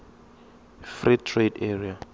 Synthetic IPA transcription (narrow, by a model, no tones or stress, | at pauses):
fritʰredɛria